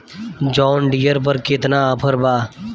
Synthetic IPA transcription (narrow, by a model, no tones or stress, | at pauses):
d͡ʒɔːnɖijəɾp̬əɾkɪt̪naəpʰəɾbaː